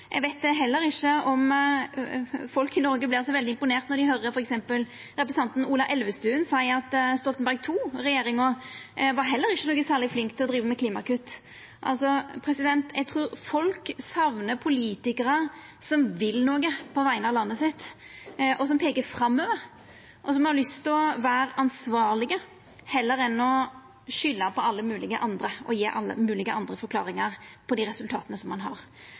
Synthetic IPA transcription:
ʔɛ̰ɡʋæɪt̪̚d̪ɛɦɛlːəɾɪʃːəɔm | fɔlkɪnɔɾɡəblɪɑsɔʋɛld̪ɪɪmpʊneːʁt̪nɔɾɖ̪ɪhœɾəɾfɔɾɛksɛmpəl | ɾɛpɾɛsɑnt̪n̩uːlɑʔɛlʋəst̪ʉːnsɑɪɑt̪st̪ɔlt̪nbæʁɡ̚t̪ʰuːɾɛjeːɾɪŋɔʋɑɾɦɛlːəɾɪʃːənoːɡəsæːʁlɪɡflɪŋkt̪ʰːɪlɔd̪ɾiːʋəmɛkʰliːmɑ̰kʉt̪ː | ʔɑ̰lsɔpʰɾɛsɪd̪ɛnt̪ɛɡ̚t̪ʰɾuːɾfɔlksɑʋnəpʰʊliːt̪ɪkəɾə | sɔmʋɪlnoːɡəpʰɔʋæɪənəɑʋlɑnːəsɪt̪ːʔɔsɔmpʰeːkəfɾɑmːøːʋəɾ | ʔɔs̬ɔmhɑɾlʏst̪ʰɪɔʋæːɾɑnsʋɑːɾlɪɡə | hɛlːəɾɛnɔ | ʃʏlːɑpʰɔɑlːəmʉːlɪɡə̰ʔɑnd̪ɾəʔɔjeːʔɑlːə̰mʉːlɪɡəʔɑnd̪ɾəfɔɾkʰlɑ̰ːɾɪŋɑʁpʰɔd̪iːɾɛsʉlt̪ʰɑːt̪ənəsɔmːɑnɦɑ̰ɾ

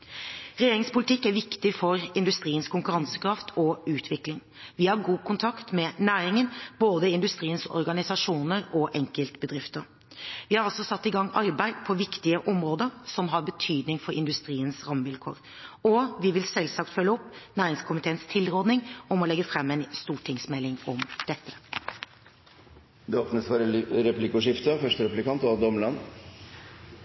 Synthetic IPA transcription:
ɾɛjeːɾɪŋspʊlɪt̪ʰɪkːæɾʋɪkt̪ɪfɔɾɪnd̪ʉst̪ɾiːənskʊŋkʉɾɑnsə̥kɾɑft̪ʰɔʉːt̪ʰʋɪklɪŋ | ʋɪhɑɾɡuːkʰʊnt̪ʰɑkt̪mɛnæːɾɪŋənboːd̪əɪnd̪ʉst̪ɾiːənsɔ̰ɾɡɑnɪsɑʂuːnəɾɔʔɛŋkəlt̪bəd̪ɾɪft̪əɾ | ʋɪhɑɾɑlsɔsɑt̪ːɪɡɑŋːɑɾbæɪd̪pʰɔʋɪkt̪ɪəʔɔmɾoːd̪əɾsɔmɦɑɾbət̪ʰyːd̪nɪŋfɔɾɪ̰nd̪ʉst̪ɾiːənsɾɑmːʋɪlkʰo̰ːɾ | ɔʋɪʋɪlsɛlsɑkt̪fœlːəɔpːnæːɾɪŋskʰʊmɪt̪ʰeːənst̪ʰɪlɾɔd̪nɪŋɔmɔlɛɡːəfɾɛmːɛɪnst̪uːʈʰɪŋsmɛlːɪŋɔmd̪̥ɛt̪ːə̥ | d̪ɛoːpnəsfɔɾəɾɛplɪkʊʂɪft̪əfœʂʈəɾɛplɪkɑnt̪ɑd̪ɔməlɑn

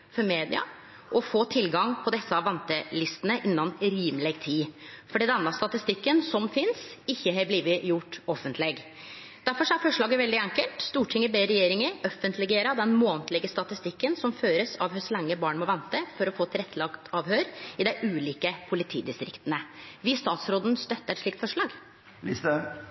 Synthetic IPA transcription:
fɔɾmeːd̪ɪ̰ɑ̰ | ʔɔfoːt̪ʰɪlɡɑŋpʰɔd̪ɛsːəɑʋʋɛnt̪əlɪst̪ənəʔɪnːɑnɾiːmlɛɡt̪ʰiːfɔɖiːd̪ɛnːɑst̪ɑt̪ɪst̪ɪkːənsɔmfɪnsɪçːəhebliːʋəjʊʈːɔfːənt̪ʰlɪɡ | d̪æɾfɔʂɔæɾfɔʂɭɑːɡəʋɛld̪ɪæŋkəlt̪st̪uːʈʰɪŋːəbeːɾɛjeːɾɪŋəɾœfːənt̪lɪɡeːɾɑd̪ɛnmoːnt̪lɪɡəst̪ɑt̪ɪst̪ɪkːənsɔmføːɾəsɑʋhœslɛŋːəbɑːɳmɔʋɛnt̪əfɔɾɔfoːt̪ʰɪlɾɛt̪ʰːlɑkt̪ʰɑːʋhøːɾɪd̪æɪʔʉːliːkəpʰʊlɪt̪ʰḭːd̪ɪst̪ɾɪ̰kt̪ənəʋɪst̪ɑːt̪sɾoːd̪n̩st̪œt̪ːəɾɛt̪ʂɭiːkt̪fɔʂɭɑːɡ | lɪst̪ə

